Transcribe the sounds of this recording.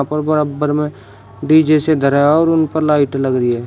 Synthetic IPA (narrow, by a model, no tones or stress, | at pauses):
ãpəɾbəɾəbəɾmẽ | ɖiːd͡ʒesed̪ʱəɾaɔːɾʊnpəɾlaːɪʈləɡɾiɦɛː